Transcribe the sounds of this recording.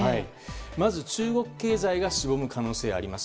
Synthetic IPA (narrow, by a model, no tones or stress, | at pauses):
ai | mazɨt͡ɕɨːɡo̞kɯ̟̥ke̞ːzaiɡaɕibo̞mɯ̟kano̞ːse̞ːaɾʲimasɨ̥